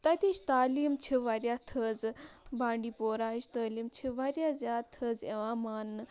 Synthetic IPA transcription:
t̪ɐt̪iʃt̪aːliːmt͡ʃʰiʋaɾʲjat̪ʰəːd͡zbãːɳɖiːpoːɾaːiʃt̪əːliːmt͡ʃʰiʋaɾjazʲjaːt̪ʰːəːd͡zeʋamaːnːɨ

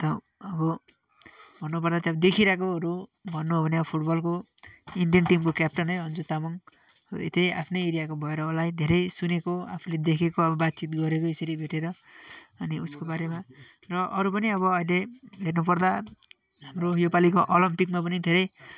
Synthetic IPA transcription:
t̪ʌː | bʌ | bʱʌnːupʌrd̪ateʌbʌd̪ekʰiɾakoʌɾubʱʌnːuɦobʱʌneʌbʌpʰuʈbʌlko | iɳɖijʌnʈimkokjap̚ʈʌnɦʌjɦʌnd͡zut̪amʌŋ̰ | ḭt̪eja̰pʰnejeɾijakobʱʌeɾʌulajd̪ʱeɾʌjsunekoa̰pʰuled̪ekʰekoʌbʌbat̪̚t͡sit̪̚ɡʌɾekoiseɾibʱeʈeɾʌʌniuskobaɾema | rʌʔʌɾupʌniʌβʌʌjleɦernup̬ʌrd̪a | ɦamrojopalikoʔolʌmpikmapʌnid̪ʱeɾʌj

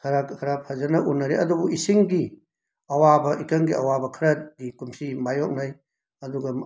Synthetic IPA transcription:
kʰɐɾakʰɐɾapʰɐzɐnɐʔunːɐɾeɐdubuisiŋɡi | ɐwabɐʔikɐŋɡiɐ̰wabɐkʰɐɾɐt̚ɡikumsimajok̚naj | ɐduɡɐ

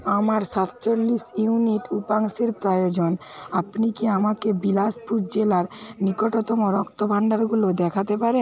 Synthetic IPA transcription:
amaɾʃat̪t͡ɕolːiʃiuniʈupaŋseɾpɾajod͡ʑon | apnikiamakebilasputd͡ʑelaɾnikoʈot̪omoɾɔkt̪obʱaɳɖaɾɡulod̪ɛkʰat̪epaɾe

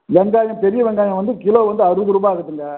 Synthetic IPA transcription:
ʋɛŋɡaːjɐ̃pɛɾɪjɐʋɛŋɡaːjɐ̃ʋɐnd̪ɯkɪloːʋɐnd̪ɯɐɾɯɡɯɾɯbaːɣɐt̪ːɯŋɡɐ

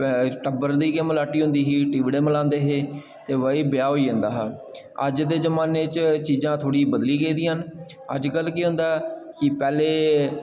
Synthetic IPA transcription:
ʈəbəɾd̪iːkeməlaːʈiːɦʊ̃nd̪iːɦiːʈiːʋiːɽeːməlãːnd̪eːɦeː | t̪eːʋəiːbɪjaːɦoːiːʊ̃ːnd̪aːɦː | ə̰d͡ʒd̪eːzəmaːneːt͡ʃt͡ʃiːzãːt̪ʰoːɽiːbəd̪liːɡəiːd̪iːɦən | ə̰d͡ʒkəlkeːɦʊ̃nd̪aːkɪpɛːleː

